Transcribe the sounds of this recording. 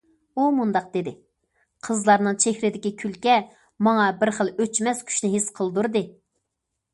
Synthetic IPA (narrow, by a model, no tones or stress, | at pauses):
umund̪ɑq̚d̪ɪd̪ɪ | qʰəzlˠɑɾnɨŋt͡ʃʰehɾɪd̪ɪkʲikʲʰylkʲɛ | mɑŋɑbɪɾχəlˠøt͡ʃmɛskʲʰy̥ʃnɪɦɪsqʰəlˠd̪uɾd̪ɨ